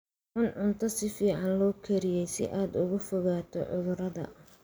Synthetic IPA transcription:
ʕʊnʕʊnt̪ʰɔsɪfiːʕɑnlɔːkʰɛɾɪjɛjsɪ̰ʔaːd̪ʊɣʊfɔɣaːt̪ʰɔ̰ʕʊðʊɾɐðɐ̰

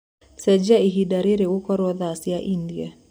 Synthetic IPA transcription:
sɛd͡ʒaiɦidaɾiɾeukɔɾwɔðaːsjaʔindia

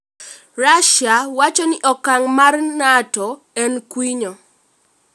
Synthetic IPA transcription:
raʃawat͡ʃɔnɪʔɔkːaŋmarnatɔ | ɛnkwiɲɔ

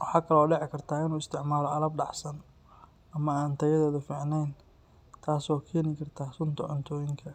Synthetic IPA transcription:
wɑħɑːkʰɐlɔːɖɛʕɪkʰɐrt̪ʰaːɪnuːɪst̪ʰɪʕmaːlɔɐlɐb̚ɖɑħsɐn | ɐmɐaːnt̪ʰɐjɐðɛːðʊfiːʕnɛjn | t̪ʰaːsɔːkʰɛːnɪkʰɐrt̪ʰaːsʊnt̪ʰɐʕʊnt̪ʰɔːjɪŋkʰɐ

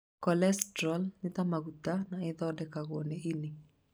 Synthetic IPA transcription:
kɔlɛstɾɔlnɪt̪amaɡut̪anaɪðɔdɛkaɣoneʔinɪ

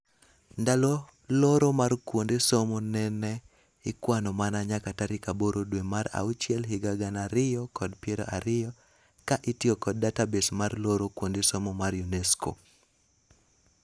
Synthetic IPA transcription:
ndalo | loɾomarkwondesomonɛnɛ | ɪkwanɔmanaɲakataɾɪkaboɾʔodwemaɾa̰ut͡ʃjɛlɦɪɡaɡanaɾɪjɔkɔdpjɛɾo̰ʔaɾɪjɔ | kaʔitiokɔdːatabesmarloɾokwondesomomarjunɛsko̰

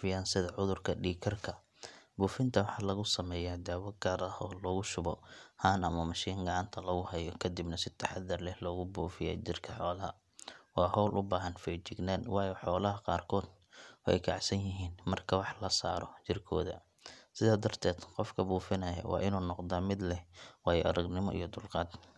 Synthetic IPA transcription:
fɪjaːnsɪðɐʕʊðʊrkʰɐɖiːkʰɐrkʰɐ | buːfɪnt̪ʰɐwɑħɑːlɐɣʊsɐmɛːjaːd̪aːwɐɡaːɾɐhɔːlɔːɣʊʃʊbɔhaːnɐmɐmɐʃiːŋɡɑʕɑnt̪ʰɐlɐɣʊhɐjɔkʰɐd̪ibnɐsɪt̪ʰɐħɑðɐrlɛhlɔːɣʊbuːfɪjɛ̰ːt͡ʃɪrkʰɐħɔːlɐɦɐ̰ | wɑːhɔwlʔʊbaːɦɐnfɛjt͡ʃɪɡnaːnwɑːjɔħɔːlɐɦɐqɑːrkʰɔːd̪ | ɔʔɛ̰jkʰɑ̰ʕsɐnjɪɦiːnmɐrkʰɐwɑħlɐsa̰ːɾɔ̰t͡ʃɪrkʰɔ̰ːðɐ̰ | sɪðaːd̪ɐrt̪ʰɛːd̪qɔfkʰɐbuːfɪnɐjɐ̰wʔɑ̰ːʔɪnuːnɔqd̪aːmɪd̪lɛwɑːjɔʔɐ̰ɾɐɡnɪmɔ̰ʔḭjɞd̪ʊlqɑːd̪

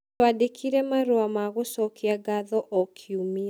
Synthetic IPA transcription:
wadekʰiɾɛmaɾoamaɣosɔkiaɡaðɔʔɔkʰiumi

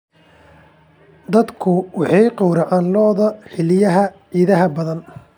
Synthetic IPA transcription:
d̪ɐd̪kʰʊwɑħɑjqɔwɾɐʕaːnlɔːðɐħɪlɪjɐɦɐ | iːðɐɦɐbɐðɐn

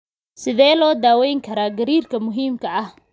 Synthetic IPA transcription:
sɪðɛːlɔːd̪aːwɛjŋkʰɐɾaːɡɐɾiːrkʰɐmʊɦiːmkʰɐɐh

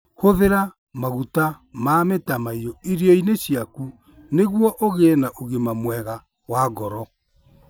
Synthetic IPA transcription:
hoðeɾa | maɣuta | mametamaiɾɔiɾiɔineɕijaku | neɣwɔʔoɣenaʔoɣemamwɛɣa | waɡɔɾɔ

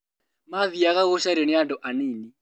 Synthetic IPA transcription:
maðiakaɣʊʃaɾenɪadɔʔaniːni

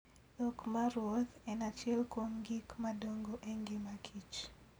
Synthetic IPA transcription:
okmaɾwot̪ɛnat͡ʃɛlkomɡikmadoŋɡoʔeŋɡɪmakʰit͡ʃ

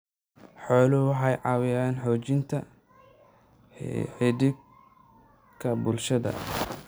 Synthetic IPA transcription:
ħɔːlʊʊɦɑjʕɑwɪaːnħɔːt͡ʃɪnt̪ʰɐ | ħɪdɪ | kʰɐbʊlʃɐðɐ̰

